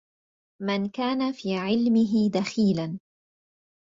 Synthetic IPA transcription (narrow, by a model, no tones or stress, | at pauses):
mɪnkaːnafiːʕɪlmɪɦɪd̪axiːlan